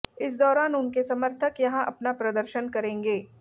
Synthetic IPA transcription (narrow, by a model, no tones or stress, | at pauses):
ɪs̬d̪ɔːɾaːnʊnkesɐməɾt̪ʰəkjɐɦãʔɐpnapɾɐd̪əɾʃənkɐɾẽːŋɡeː